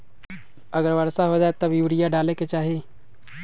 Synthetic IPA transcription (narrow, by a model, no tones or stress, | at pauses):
ɐɡəɾʋɐɾsaɦod͡ʒaːet̪ɐbjuːɾijaɖaːleket͡ʃaːɦeː